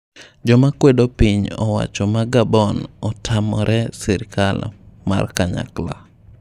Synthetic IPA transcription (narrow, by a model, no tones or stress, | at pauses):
d͡ʒɔmakwedopiɲɔ̰wa̰t͡ʃɔmaɡabɔnɔtʰamɔɾʔɛsɛɾkalma̰rkaɲa̰kla̰